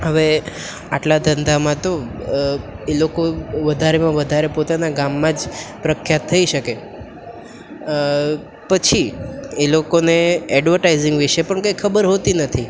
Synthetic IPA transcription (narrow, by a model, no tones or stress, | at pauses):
ɦəʋe | aʈlad̪ənd̪amãt̪o | elokoʋəd̪ʱaɾemãʋəd̪ʱaɾepot̪anaɡamːãd͡ʒpɾəkʰjat̪ʰːəiʃəke | pət͡ʃʰielokoneɛɖʋəɾʈaizĩŋɡʋiʃepəɳkəjkʰəbəɾɦot̪inət̪ʰi